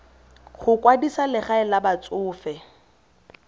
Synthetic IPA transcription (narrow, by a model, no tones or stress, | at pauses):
χʊkwadisalɪχaɛlabat͡sʼʊːfɛ